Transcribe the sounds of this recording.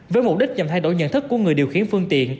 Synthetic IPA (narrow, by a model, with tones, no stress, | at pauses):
vəː˨˦jmo˨˩p̚ɗi˦˥t̟̚ɲə˨˩mt̪ʰa˧jɗo˧˩jɲə̰˧˨nt̪ʰɨ˦˥kːu˧˩əŋɨ˨˩əjɗi˨˩əwxi˨˦ənfɨ˧ŋt̪ḭ˧˨ən